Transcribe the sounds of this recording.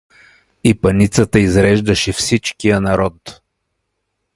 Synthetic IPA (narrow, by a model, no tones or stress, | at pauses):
ipɐnit̪sət̪əizɾɛʒd̪ɐʃɛfsit͡ʃkijənɐɾɔt̪